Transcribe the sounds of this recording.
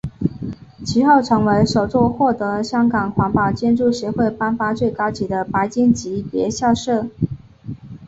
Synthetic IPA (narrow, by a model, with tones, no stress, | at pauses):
t͡ɕʰi˧˥xo˥˩ʊʈ͡ʂʰɤ˧˥ŋwe˧˥ɪʂo˨˩ʊt͡swɔ˥˧xwɔ˥˩t̪ɤ˧˥ɕjɑ˥ŋkɑ˨˩ŋxwa˧˥ŋpɑ˨˩t͡ɕjɛ˥nʈ͡ʂu˥˩ɕɥɛ˧˥xwe˥˩ɪpa˥nfa˥t͡swe˥˩ɪkɑ˥ʊt͡ɕi˧˥d̪ə˧pa˧˥ɪt͡ɕi˥nt͡ɕi˧˥pjɛ̰˧˥ɕja˥˧ʂɤ˥˩